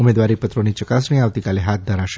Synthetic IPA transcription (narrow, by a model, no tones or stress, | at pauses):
ʊmeːd̪ʋaɾipət̪ɾonit͡ʃəkasmĩaːʋt̪ikaleɦat̪̚d̪ʱəɾaʃ